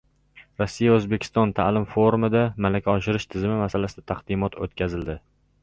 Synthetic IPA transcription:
ɾɒsːijaɵzbe̞kʲʰɪ̥st̪ɒnt̪ʰalɪmfoɾumɪd̪amalakʲʰaɒʃɪɾɪʃt̪ʰɪzɪmɪmasalasɪd̪ḁt̪ʰaqd̪ɪmɒt̪ʰot̪kʲʰazɪld̪ɪ

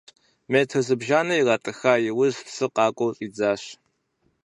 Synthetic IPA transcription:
meːtʰɐzɨbʒaːnɨjiraːtʼɨxaːjɪwʊzpsɨqɑːkʷʼɔwɕʼiːd͡zaːɕ

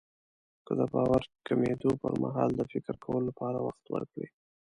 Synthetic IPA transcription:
kəd̪əbɑwaɾkamed̪opəɾmaɦɑld̪əfɪkɪɾkawəlolapɑɾawaxt̪wə̰ɾkɽi

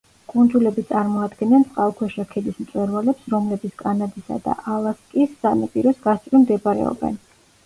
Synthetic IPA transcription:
kʼund̪zulɛbit̪sʼaɾmɔad̪ɡɛnɛnt̪sʼqʼalˠkʰwɛʃɾakʰɛd̪ismt̪sʼwɛɾvalɛpsɾɔmlɛbit̪skʼanad̪isa̰d̪a̰ʔalˠaskʼisːanapʼiɾɔsɡast̪ʼɾimd̪ɛbaɾɛ̰ɔ̰bɛ̰n

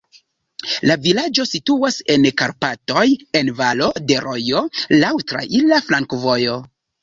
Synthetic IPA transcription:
lavilad͡ʒo̞situase̞nkaɾpato̞je̞nvalo̞de̞ɾo̞jo̞lawtɾa̰ʔilaflaŋkvo̞jo̞

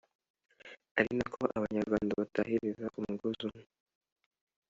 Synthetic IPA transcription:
aɾinakʰoʔaβaɲaɾɡwaːndaβatahiɾizaʔumuɡuzu

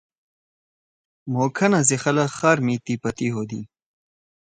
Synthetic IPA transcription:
moːkʰɐnɐzixɐlɐxaːɾmit̪ipɐt̪iɦod̪ḭ

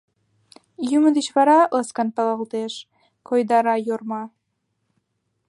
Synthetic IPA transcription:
jymə̆d̪et͡ɕβɑɾɑlɑskɑnp̪ɑlˠɑlˠt̪eʃ | kʰojd̪ɑɾɑjormɑ

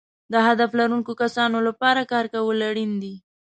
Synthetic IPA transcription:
d̪əɦad̪aflaɾuŋkokasɑnolapɑɾakɑɾkawəlaɽind̪i

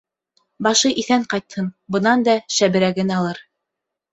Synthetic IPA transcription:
bɑʃɤʔiθæɴqɑjt̪hɤnbɤ̆nɑnd̪ɑʃæbɘ̆ɾæɡɘnɑlˠɤɾ

